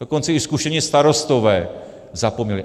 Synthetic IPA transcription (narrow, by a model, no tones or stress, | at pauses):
oko̞nt͡sɛɪskuʃɛmɲɛst̪aɾo̞st̪o̞vɛː | zapomɲɛlɪ